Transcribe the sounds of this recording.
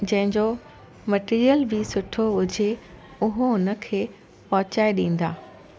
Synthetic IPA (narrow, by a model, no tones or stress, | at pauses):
d͡ʑɐ̃ɦɪ̃ɲd͡ʑo | mɐʈiːɾijəlbɪsʊʈʰoɦʊd͡ʑʱeʊɦoʊnə̆kʰeː | pɐɦʊt͡ɕaːeɗĩːn̆d̪a̰ː